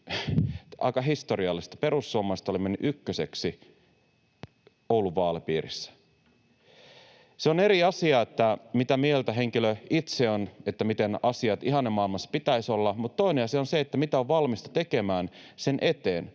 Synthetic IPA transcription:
ɑ̰ikɑɦist̪o̞ɾiɑlːist̪ɑ̥pe̞ɾusːuoːmːˑɑst̪ɑolimːenːyʔykːøse̞ksi | owluʋɑːlepḭːɾḭsːæ̥ | seone̞ɾiɑsiɑːet̪ːæmit̪æmielt̪æɦe̞ŋkiløit̪seonet̪ːæmit̪enɑsiɑt̪iɦɑnːemːɑilmɑsːɑ̥pit̪æiso̞lːɑmut̪t̪ːo̞ineɑsiɑonseet̪ːæmit̪æoʋʋɑlmist̪ɑ̥t̪eke̞mæːnse̞nʔe̞t̪eːn

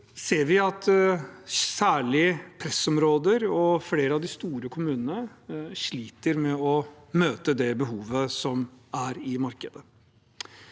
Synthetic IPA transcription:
seːɾʋɪɑt̪ | sæːɭɪpʰɾɛsɔmɾoːd̪əɾɔfleːɾəɑʋd̪ɪst̪uːɾəkʰʊmʉːnənəʂɭiːt̪əɾmɛɔ | møːt̪əd̪ɛbəɦuːʋəsɔmæɾɪmɑɾkəd̪ə

